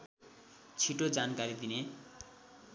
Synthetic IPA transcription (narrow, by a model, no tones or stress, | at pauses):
t͡sʰiʈod͡zankaɾid̪ine